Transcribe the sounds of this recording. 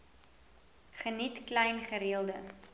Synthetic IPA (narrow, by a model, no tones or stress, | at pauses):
χənitklɛjnχəɾiəlˠdə